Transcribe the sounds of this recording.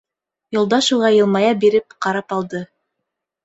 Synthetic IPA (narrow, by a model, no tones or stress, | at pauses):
jŭlˠd̪ɑʃuʁɑjɤ̆lˠmɑjɑbiɾɘp̚qɑɾɑpɑlˠd̪ɤ